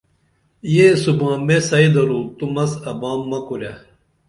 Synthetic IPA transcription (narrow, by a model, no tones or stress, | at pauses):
jeːsubãːmesɐid̪ɐɾuːt̪umɐsɐbaːmːɐkuɾja